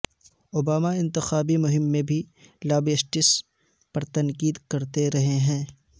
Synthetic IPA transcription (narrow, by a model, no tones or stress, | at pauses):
oːbaːmaɪ̃nt̪ɪxaːbimʊɦɪmːẽbʱilaːbeːsʈɪs | pɐɾt̪ɐŋkiːd̪kɐɾt̪eɾɐɦeɦɛ̃ː